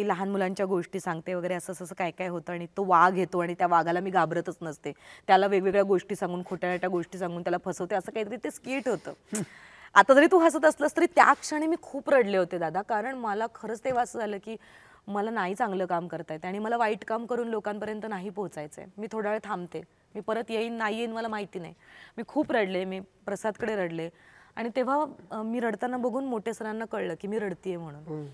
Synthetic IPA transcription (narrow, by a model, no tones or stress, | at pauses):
t̪iːləɦanmulaɲt͡ɕjaɡoʂʈiːsãŋɡt̪eʋəɡəjɾeəsəːsəsəːkajkajɦot̪əːaɽ̃it̪oʋaɡʱɦet̪oaɽ̃it̪jaʋaɡʱalamiːɡabɾət̪ət͡snəst̪et̪jalaʋeɡʋeɡɭjaɡoʂʈiːsãŋɡuːnkʰoʈjanaʈjaɡoʂʈiːsãŋɡuːnt̪jalapʰəsəʋt̪eəsəːkaɦit̪əɾiːt̪eskiːʈɦot̪ə̰ː | at̪ad͡z̪əɾiːt̪uːɦasat̪əsləːst̪aɾit̪ja̰kʂəɽ̃emiːkʰuːpɾəɽleɦot̪ed̪ad̪ʱakaɾəɳməlakʰəɾəːt͡st̪eʋasəːd͡zʱaləːkiː | məlanaɦiːt͡sãŋɡləːkamkəɾt̪ajt̪jaɽ̃iːməlaʋaiːʈkamkəɾuːnlokampəɾjənt̪ənaɦiːpoɦt͡sajt͡səḛmiːt̪ʰoɽ̤aʋɭet̪ʰamt̪e | miːpəɾət̪jeinnaɦijenməlamaɦit̪iːnaɦimiːkʰuːpɾəɽlemiːpɾəsad̪kəɽeɾəɽlea̰ɽ̃it̪eʋ̤amiːɾəɽt̪anːabəɡʱuːnmoʈʰesəɾanːakəɭləːkiːmiːɾəɽt̪iːjem̤əɽ̃uːn